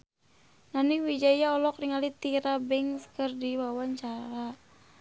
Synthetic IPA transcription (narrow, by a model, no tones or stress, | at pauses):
naniwid͡ʒaijaɔlɔkriŋalit̪iɾabɛŋskɨrdiwawaɲt͡ʃaɾa